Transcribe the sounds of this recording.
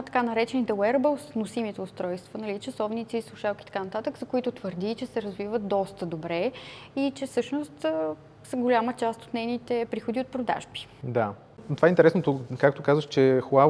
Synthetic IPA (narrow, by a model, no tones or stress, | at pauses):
t̪ɐ̥kanɐɾɛt͡ʃɛnit̪ɛwɛɾbəsnosimit̪ɛʊst̪ɾɔjst̪vənɐlit͡ʃɐsɔvnit̪siːslˠʊʃalˠkʲi̥t̪ɐkanɐt̪at̪əkzɐkoit̪ʊt̪vəɾd̪it͡ʃɛsɛɾɐzvivət̪̚d̪ɔst̪əd̪obɾɛ | it͡ʃɛfsɤʃnost̪ | səɡolʲamət͡ʃast̪o̥t̪nɛjnit̪ɛpɾixod̪iot̪̚pɾod̪a̰ʒbi̥d̪a | t̪ovaɛint̪ɛɾɛsnot̪okak̚t̪okazvəʃt͡ʃɛxa